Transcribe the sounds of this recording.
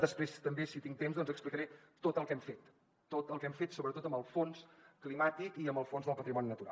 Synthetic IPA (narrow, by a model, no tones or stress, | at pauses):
d̪əspɾest̪əmbesit̪iŋt̪emzðɔnzəksplikəɾet̪ot̪əlˠkɛmfet̪ː | ot̪əlˠkɛmfet̪soβɾət̪ot̪əmbəlˠfonsklimat̪ikiəmbəlˠfonzðəlˠpət̪ɾimɔninət̪uɾa̰lˠ